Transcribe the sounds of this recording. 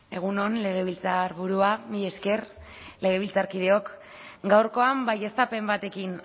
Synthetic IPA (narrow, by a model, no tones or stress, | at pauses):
e̞ɣ̞uno̞nle̞ɣ̞e̞βilt͡saɾβuɾuamiʎeske̞r | le̞ɣ̞e̞β̞ilt͡saɾkið̞e̞o̞k | ɡawɾko̞ambaje̞sape̞mbat̪e̞kin